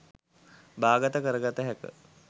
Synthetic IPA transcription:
baːɡət̪əkəɾəɡat̪əɦɛkə̰

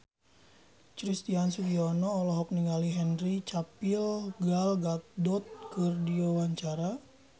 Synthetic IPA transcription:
t͡ʃɾist̪iansuliɔnɔːlɔɦɔk̚niŋɡaliɦɛnrit͡ʃapilɡalɡat̪̚dɔt̪̚kərdiowaɲt͡ʃaɾa

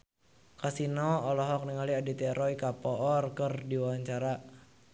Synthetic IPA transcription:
kasinɔːlɔɦɔk̚nəŋaliadit̪ɛɾɔikapɔɔrkərdiwaɲt͡ʃaɾa

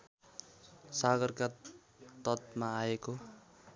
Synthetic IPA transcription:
saɡʌrka | t̪ʌt̪̚maːeko

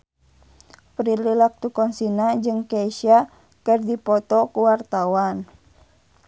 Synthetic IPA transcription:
pɾililak̚t̪ukɔnsinad͡ʒɨŋkɛʃia | kɨrdipɔt̪ɔkuwart̪awan

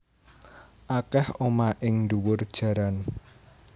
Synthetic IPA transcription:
ʔakɛhomaʔɪŋnd̪uwʊrd̥ʒ̥ä̤ɾan

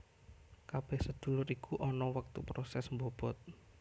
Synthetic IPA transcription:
kab̥ɛhsəd̪̥ṳlʊɾikuʔɔnɔwək̚t̪upɾosɛsmbob̥ɔt̪̚

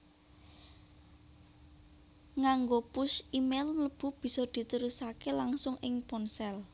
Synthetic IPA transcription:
ŋaŋɡopʊsimelmləb̥ṳb̥i̤sɔd̪̥i̤t̪əɾusakelaŋsʊŋɪŋpɔnsɛl

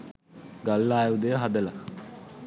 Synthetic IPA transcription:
ɡalːaːjud̪əjəɦad̪əla

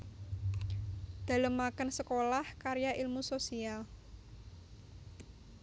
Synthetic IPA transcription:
d̪̥a̤ləmːakənsəkolahkaɾjaʔilmusosial

